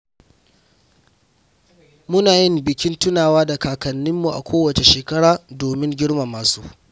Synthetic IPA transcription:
mʊ˦naː˨jɪ˦mbɪ˨kʲɪ˦ntʊ˦naː˨waː˦da˨kaː˨kɐ˨nːɪ˦mːu˨ʔa̰˨kʷoː˦wɐ˨t͡ʃe˨ʃeː˨kɐ˦ɽaː˨doː˨mɪ˦ŋɡʲɪ˦ɽma˨maː˨suː˦

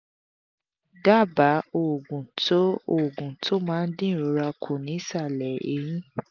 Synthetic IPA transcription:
da˦˨ba˨˦o˨ɡũ˨to˦o˦˨ɡũ˨tʰo˦mãː˦˧n̩˦dĩ˦˨ɾo˨˧ɾa˧kʰo˨nĩ˨˦sa˦˨lɛ˨ḛ˨˦jĩ˦

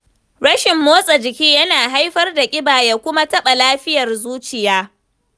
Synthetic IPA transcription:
ɽɐ˦ʃɪ˨mːoː˦sʼɐ˨d͡ʒɪ˨kʲiː˦jɐ˦naː˨ɦa˦jɸɐ˦rda˨kʲʼɪ˦baː˨ja˦kʷʊ˦ma˦tɐ˦ɓa˨laː˦ɸɪ˦jɐ˨rzuː˦t͡ʃɪ˨jaː˦

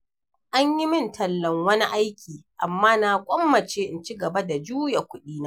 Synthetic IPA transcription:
ʔa˦ɲji˦mɪ˦ntʰɐ˨lːɐ˨ŋwɐ˦ni˦ʔa˦jkʲiː˨ʔa˨mːaː˦na˨kʷʼɔ˦mːɐ˨t͡ʃeː˦ʔɪ˦nt͡ʃi˦ɡɐ˨ba˦da˨d͡ʒuː˦ja˨kʷʊ˦ɗiː˦na˦

